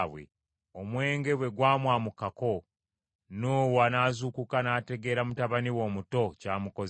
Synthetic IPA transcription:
wḛ | omwe̞ːŋɡe̞βwe̞ɡwaːmwaːmukako̞ | noːwanaːzukukanaːte̞ɡe̞ːɾamutaβaniwo̞ːmuto̞caːmuko̞z

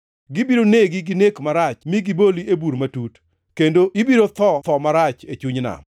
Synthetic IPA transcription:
ɡɪbiɾoneɡɪɡɪnekmaɾat͡ʃmɪɡɪboliebuɾmatut | kendoɪbiɾot̪ɔt̪ɔmaɾat͡ʃet͡ʃuɲna̰

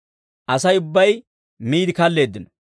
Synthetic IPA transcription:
ʔɐsɐjʊbːɐj | miːd̪ɪkɐlːe̞ːd̪ːɪnɔ̥

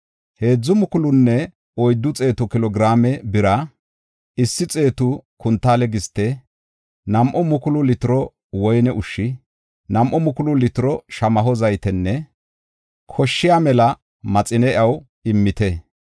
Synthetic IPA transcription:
he̞ːd͡zːʊmʊkʊlʊnːɛ | ɔjd̪ːʊt͡sʼe̞ːt̪ʊkɪlɔɡɪɾaːmɛbɪɾɐ | ɪsːɪt͡sʼe̞ːt̪ʊkʊnt̪ːaːlɛɡɪst̪ːɛ | nɐmʔɔmʊkʊlʊlɪt̪ɪɾɔ | wɔjnɛʔʊʃːɪ | nɐmʔɔmʊkʊlʊlɪt̪ɪɾɔʃɐmɐɦɔzɐjt̪ɛnːɛ | kʰɔʃːɪjaːmɛlɐ | mɐt͡sʼɪnɛʔɐw | ɪmːɪt̪ɛ

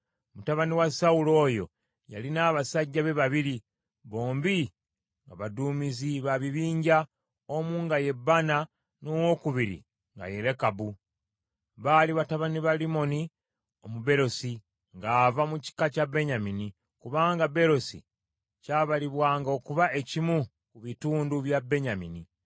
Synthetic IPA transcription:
mutaβaniwasaulo̞ːjo̞̰ | ja̰linaβasaɟːaβe̞βaβiɾi | βo̞ːmbi | ŋɡaβaduːmiziβaβiβiːɲɟa | omuːŋɡaje̞bːana | nowo̞kuβiɾḭ | ŋɡa̰je̞ɾekabu | βaliβataβaniβalimo̞ni | omube̞ɾo̞si | ŋɡaːvamuci̥kacabe̞ɲamini | kuβaːŋɡabe̞ɾo̞sḭ | caːβaliβwaːŋɡao̞kuβae̞cimu | kuβituːnduβjabe̞ɲamini

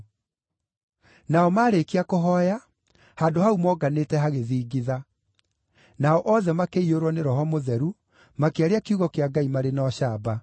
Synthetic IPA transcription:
naɔmaːɾekeakoɦɔja | haːndohaumɔɡanetɛɦaɣeðiːɡiða | naɔʔɔðɛmakeioɾwɔneɾɔhɔmoðɛɾu | makeaɾeakjuɣɔkeaɡaimaɾenɔɕaːba

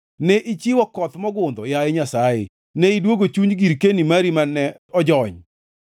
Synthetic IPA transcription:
nɛʔit͡ʃiwɔkɔt̪mɔɡʊnd̪ɔjaeɲasajɪ̰ | nɛidwoɡot͡ʃuɲɡiɾkenimaɾimanɛɔd͡ʒɔɲ

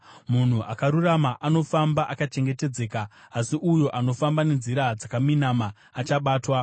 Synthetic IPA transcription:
mun̤uʔakaɾuramaʔano̞fambaʔakat͡ʃe̞ŋɡe̞te̞d͡ze̞ːkaːsiʔujo̞ʔano̞fambane̞nziɾad͡zakaminamaː | t͡ʃaɓaːtwa

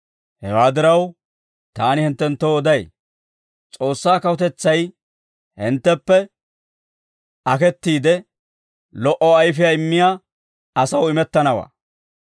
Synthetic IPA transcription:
hɛwaːd̪ɪɾɐw | t̪aːnɪhɪnt̪ːɛnt̪ːoɔd̪ɐj | t͡sʼo̞ːsːaːkɐwɔt̪ɛt͡sːɐj | hɪnt̪ːɛpːɛ | ɐkɛt̪ːiːd̪ɛ | lɔʔɔɐjfɪjaɪmːɪja | ɐsɐwɪmɛt̪ːɐnɐwa̰ː

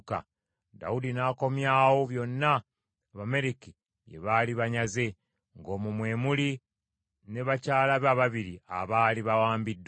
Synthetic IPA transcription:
ka̰ | da̰udinaːko̞mjaːwo̞βjo̞nːaː | βame̞ɾiki | jḛβaːliβaɲaze̞ | ŋɡo̞ːmumwe̞ːmuli | ne̞βacaːlaβaβaβiɾia̰βaːliβawaːmbidː

